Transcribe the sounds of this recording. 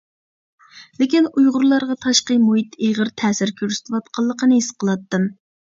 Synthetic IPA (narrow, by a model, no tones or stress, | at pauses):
lɪkʲinujʁʊɾlˠɑɾʁɑt̪ʰɑʃqəmuɦit̪eʁəɾt̪ʰɛːsɪɾkʲʰøɾsɪ̥t̪ʰwɑt̪̚qʰɑlˠːəqənɨisqʰəlˠɑt̪ːɨm